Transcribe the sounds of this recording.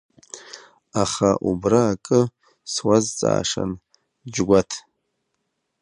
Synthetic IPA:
aχaʔubraːkʼɨ | swazt͡sʼa̰ːʂa̰n | d͡ʒɡʷatʰ

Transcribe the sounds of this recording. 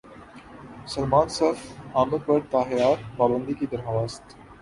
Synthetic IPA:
sɐlmãːnsɐfaːməd̪̚bəɾt̪aːɦjaːɾpaːbə̃nd̪ikid̪ɐɾɦɐʋaːst̪

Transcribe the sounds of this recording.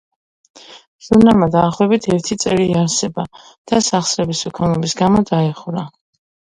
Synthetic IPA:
z̥unamad̪aːχwɛbit̪ʰɛɾt̪ʰit̪sʼɛɾiːaɾsɛba | d̪̥asaχsɾɛbisɔkʰanɔbisɡamɔd̪aɛχvɾa

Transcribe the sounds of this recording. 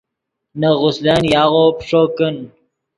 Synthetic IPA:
naɣʊsd̪anjaːɣopʂokən

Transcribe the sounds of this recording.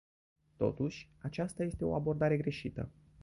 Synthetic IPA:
t̪o̞̰t̪uʃʲ | at͡ʃast̪aje̞st̪e̞o̞̰abo̞rd̪aɾe̞ɡɾe̞ʃit̪ə̰

